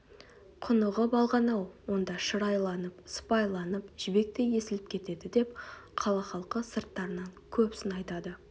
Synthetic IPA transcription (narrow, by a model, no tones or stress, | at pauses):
qʰʊnəʁəbɑlˠʁɑnɑwwo̞nd̪ɑʃəɾɑjlˠɑnəpsə̥pɑjlˠɑnəpʒ̥ɪbe̞k̚t̪e̞je̞sɪlɪp̚kʲʰe̞t̪e̞d̪ɪd̪e̞p̚qʰɑlˠɑχɑlˠqəsəɾt̪ːɑɾənɑŋkʲʰɵpsɪnɑjt̪ɑd̪ə